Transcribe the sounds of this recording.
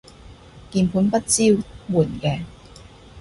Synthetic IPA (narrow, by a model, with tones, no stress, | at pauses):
kiː˧npʰuː˨˥npɐ˥t̚t͡siː˥wmuː˨˩nkɛː˧